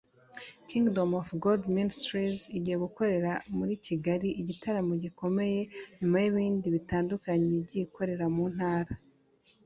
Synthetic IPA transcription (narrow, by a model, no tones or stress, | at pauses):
kiŋɡdo̞mofɡoldministɾiziɟiheɡuko̞ɾe̞ɾamuɾicʰiɡaɾiʔiɟitʰaɾamoɟiko̞me̞je̞ɲumajiβiːndiβitaːndukaɲebɟiko̞ɾe̞ɾamun̥haːɾa